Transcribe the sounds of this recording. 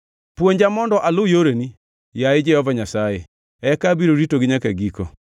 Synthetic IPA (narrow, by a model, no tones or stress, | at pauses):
pwoɲd͡ʒamɔndɔʔalʊjoɾeni | jaed͡ʒɛhɔvaɲasaje | ɛkabiɾoɾitoɡɪɲakɛɡikɔ̰